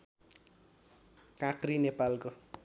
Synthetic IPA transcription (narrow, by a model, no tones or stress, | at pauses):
kãkrinepalko